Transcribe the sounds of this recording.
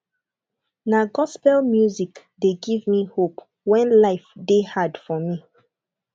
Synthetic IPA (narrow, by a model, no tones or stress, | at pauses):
naɡɔspɛlmjuzik | deɡivmihop | wɛ̃nlaɪfdehadfɔmi